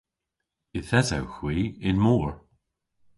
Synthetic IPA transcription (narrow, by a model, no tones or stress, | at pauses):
ɪθɛza̰wxwiːɪnmɔːɹ